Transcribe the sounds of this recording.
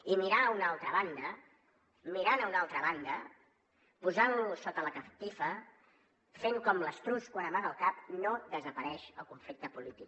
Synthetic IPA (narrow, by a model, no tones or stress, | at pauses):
imiɾaunalˠt̪ɾəβ̞and̪ə | miɾanəunalˠt̪ɾəβand̪ə | puzanlusot̪ələkəpt̪ifə | feŋkɔmləst̪ɾuskwanəmaɣəlˠkap̚noðəzəpəɾɛʃəlˠkuɱflik̚t̪əpulit̪ik